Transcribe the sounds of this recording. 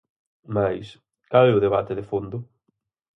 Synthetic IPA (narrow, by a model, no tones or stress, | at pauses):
majs | kalɛʊðeβat̪ɪðefond̪ʊ